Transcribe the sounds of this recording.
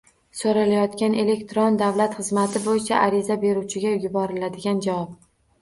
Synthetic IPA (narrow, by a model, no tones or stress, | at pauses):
soɾalajɒt̪kʲane̞le̞kʲt̪ɾond̪avlat̪χɨzmat̪ʰɪbojɪt͡ʃʰaʔaɾɪzabe̞ɾuwt͡ʃʰɪɡʲajʊbɒɾɪlad̪ɪɡʲand͡ʒawɒp̚